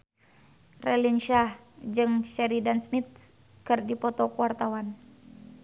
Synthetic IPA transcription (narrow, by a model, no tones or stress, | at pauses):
rɛlinʃahd͡ʒɨŋʃɛɾidansmit̪̚ | kɨrdipɔt̪ɔkuwart̪awan